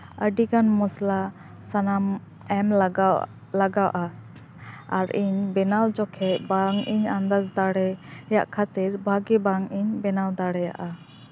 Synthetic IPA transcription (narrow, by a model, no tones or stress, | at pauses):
əɖikanmɔsla | sanam | ɛml | laɡawʔa | aɾiɲbɛnawd͡ʒɔkʰɛbaŋiɲand̪azd̪aɽɛjaʔkʰat̪iɾbʱaɡibaŋiɲbɛnawd̪aɽɛja̰ʔa